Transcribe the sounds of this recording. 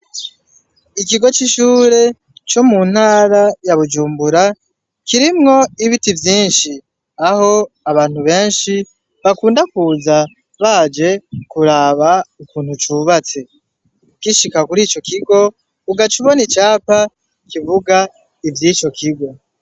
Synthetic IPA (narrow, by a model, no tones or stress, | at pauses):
ik̬iɡo̞t͡ʃiʃuːɾe̞ | t͡ʃo̞mun̥haːɾajaβud͡ʒuːmbuɾa | kiɾimŋo̞iβitivjiːnʃi | aho̞ | aβaːn̥huβe̞ːnʃi | βakuːndakuːza | βad͡ʒe̞kuɾaːβaukiːn̥hut͡ʃuːβat͡se̞ | kiʃikakuɾiːt͡ʃo̞kiɡo̞ | uɡat͡ʃiβo̞nit͡ʃaːpa | kivuɡa | ivjiːt͡ʃo̞kʰiɡo̞